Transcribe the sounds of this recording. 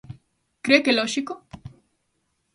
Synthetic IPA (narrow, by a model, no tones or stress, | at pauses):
kɾekeloʃiko